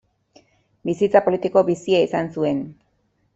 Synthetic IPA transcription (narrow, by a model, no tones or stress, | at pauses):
bisit͡sapo̞lit̪iko̞βisiaisansue̞n